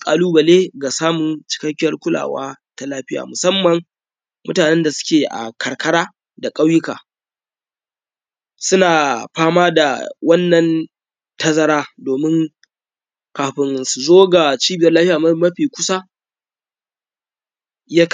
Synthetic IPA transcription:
kʼaː˨luː˦bɐ˨leː˦ɡa˨saː˦mʊ˨nt͡ʃɪ̥˦kɐ˦kʲːɪ˦jɐ˦rkʷʊ˦la̰ː˨wa̰ː˦ta˦laː˦ɸɪ˦ja̰ː˨mʊ˨sɐ˦mːɐ˨ŋ | mʊ̰˦taː˨nɛ˦nda˨sʊ̥˦kʲeː˨ʔa̰˨kʰɐ˨rkɐ˦ɽaː˦ | da˨kʼa˦wjɪ˦ka̰ː˨ | sʊ˦naː˨ɸaː˦maː˦da˨wɐ˦nːɐ˨n | tɐ˦zɐ˦ɾaː˦doː˨mɪ˦ŋ | kaː˨ɸɪ˦nsu˨zoː˦ɡa˨t͡ʃiː˦bɪ˨jɐ˦rlaː˦ɸɪ˦a˨mɐ˦mɐ˦ɸiː˨kʷʊ˦sa˦ | ja˦k

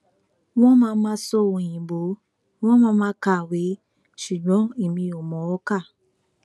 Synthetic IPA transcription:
w̃ɔ̃˦mã˦mãː˦sɔ˦o˨wõ˧˨j̃ĩ˨ɡ͡bo˨˦ | w̃ɔ̃˦mãː˦mãː˦ka˦˨we˨˦ | ʃu˨ɡ͡bɔ̃˨˦i˦˨mĩ˧o˨mɔ̃˨˦ɔ˦ka˦˨

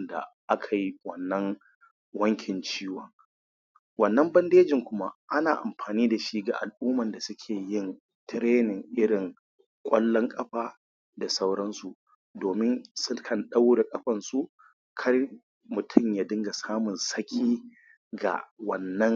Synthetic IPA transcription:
nda̰˨ʔa˦kʰa˨ji˦wɐ˨nːɐ˦ŋ | wɐ˦ŋkʲɪ˨nt͡ʃiː˦wɔ˨ŋ | wɐ˨nːɐ˦mbɐ˦ndeː˦d͡ʒɪ˨ŋkʷʊ˦ma˦ʔa˦naː˨ʔa̰˨mɸaː˨niː˦da˨ʃi˦ɡa̰˨ʔa̰˨lʔuː˦mɐ˨nda˨sʊ˦kʲʰeː˨jɪ˦˨n | tɪ˦ɾeː˦nɪ˨ŋʔɪ˦ɽɪ˨ŋ | kʷʼɐ˦lːɔ˦ŋkʼɐ˦ɸaː˦ | da˨sa˦wɽɐ˦nsu˨ | doː˨mɪ˦nsʊ˦kʰɐ˨nɗa˦wda˨kʼɐ˦ɸɐ˨nsu˦ | kʰɐ˦r | mʊ˨tʰʊ˦˨mja˨dɪ˦ŋɡa˨saː˦mʊ˨nsɐ˦kʲʰiː˦ | ɡa̰˨wɐ˨nːɐ˦ŋ

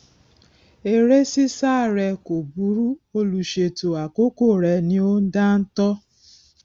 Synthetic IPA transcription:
e˨ɾe˦si˦sa˦˨ɾɛ˧ko˨bu˦ɾu˦o˦lu˨ʃe˧to˨a˨ko˦ko˦˨ɾɛ˨nĩ˦o˦n̩˦da˦n̩˦tɔ˦

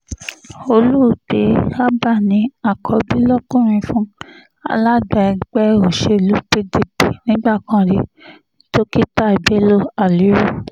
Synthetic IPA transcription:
o˧lu˦˨d̥e˨˦a˦ba˦˨nĩ˧˦a˨kʰɔ˧bi˦lɔ˦kũ˦˨ɾ̃ĩ˧fũ˦ | a̰˧la˦ɡ͡ba˧˨ɛ˧ɡ͡bɛ˦o˨ʃe˧˨lu˨˦pi˦di˨bi˨nĩ˦ɡ͡ba˦˨kã˧ɾi˧ | to˦ki˦ta˦i˨be˨˦lo˦a˨li˨˦ɾo˦˨

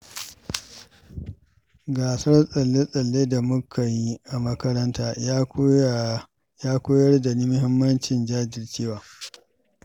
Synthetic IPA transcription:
ɡaː˨sɐ˦rsʼɐ˨lːe˦sʼɐ˨lːeː˦da˨mʊ˦kʰa˨ji˦ʔa˨mɐ˦kɐ˦ɾɐ˦ntaː˦j | jaː˦kʷoː˦jɐ˦rda˨niː˦mʊ˦ɦɪ˦mːɐ˦nt͡ʃɪ˨nd͡ʒaː˦d͡ʒɪ˨rt͡ʃeː˦waː˨

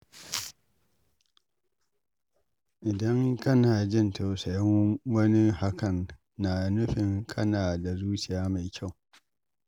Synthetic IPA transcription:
ʔɪ˨dɐ˦ŋkɐ˦naː˨d͡ʒɪ˦ntʰo˨sa˨jɪ˦ŋwɐ˦ni˦ha˦kʰɐ˨nː | a˨nʊ˦ɸɪ˨ŋkʰɐ˦naː˨da˨zuː˦sɪ˨jaː˦ma˨jkʲʰa˦˨w

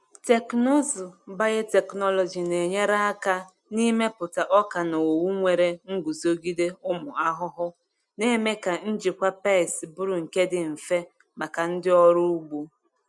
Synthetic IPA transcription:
te˨kno˦zu˨ba˦je˦te˨knɔ˦lɔ˨d͡ʒi˨ne˨ɲe˦ɾa˦a˦ka˦ | ni˦me˦pʊ˨ta˨ʔɔ˦ka˨no˨o˨wu˦ŋʷe˨ɾe˦ŋ̩˦ɡu˨zo˦ɡi˦de˦ʊ˦mʊ˨a˦ɦʊ˦ɦʊ˦ | ne˦me˦ka˨n̩˦d͡ʒɪ˨kʷa˦pa˦˨sbʊ˦ɾʊ˨ŋ̩˨ke˦dɪ˨m̩˨fe˦ | ma˨ka˨n̩˦dɪ˦ɔ˦ɾʊ˦u˦ɡ͡bu˦

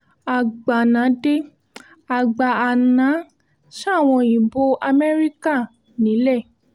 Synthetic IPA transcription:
a˨ɡ͡ba˨nã˨˦de˦ | a˨ɡ͡ba˧a˨nã˨˦ | ʃa˦˨w̃ɔ̃˧ĩ˨bo˨˦ʔa˧mɛ˦ɾi˦ka˦˨ | nĩ˨˦le˦˨

